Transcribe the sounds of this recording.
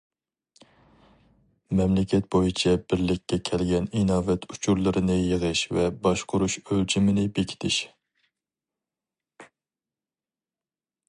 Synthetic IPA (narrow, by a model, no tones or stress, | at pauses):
mɛmlɪkʲʰɛt̪̚bojit͡ʃʰɛbɪɾlɪkʲːɛkʲʰɛlɡʲɛninɑːvɛt̪ʰut͡ʃʰuɾlˠɨɾɨnɨjəʁɨʃvɛbɑʃqʊɾuʃølt͡ʃʰɪmɪnɪbekʲʰi̥t̪ʰɪʃ